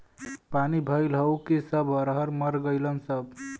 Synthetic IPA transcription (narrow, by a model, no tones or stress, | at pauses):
panibʱəɪlɦəwkisəbʱəɾɦəɾməɾɡəɪlənsəb̚